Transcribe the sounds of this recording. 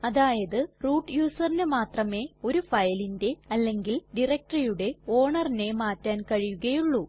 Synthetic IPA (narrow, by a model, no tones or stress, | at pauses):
ɐðaːjɐðɨruːʈːjuːsɐrinɨmaːt̪rɐme̞ːo̞ɾufɐjɐlinde̞ɐlːe̞ŋɡilɖirɐk̚ʈrɐjuɽe̞o̞ːɳɐrine̞maːtːaːnkɐɻijuɣɐjuɭːu